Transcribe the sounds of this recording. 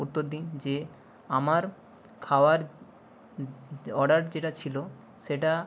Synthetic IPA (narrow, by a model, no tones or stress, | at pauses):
ut̪ːoɾd̪ind͡ʑe | amaɾ | kʰaoaɾ | ɔɖaɾd͡ʑeʈat͡ɕʰilo | ʃeʈa